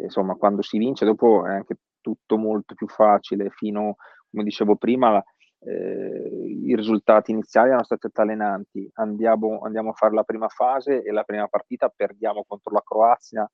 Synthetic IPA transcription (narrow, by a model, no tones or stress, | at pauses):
nsomːakwand̪osivint͡ʃed̪ɔːpoɛ̰aŋk̟e | t̪ut̪ːomolt̪o̥pjufːaːt͡ʃilefiːno | komed̪it͡ʃeːvopɾiːmala | iɾizult̪aːt̪iːnit̪sːjaːlisɛnost̪aːt̪iat̪ːalːenant̪iand̪jaːmoa̰nd̪jaːmoafːaːɾelapɾiːmafaːzeelapɾiːmapart̪iːt̪aperd̪jaːmokont̪ɾolakɾoat̪sːja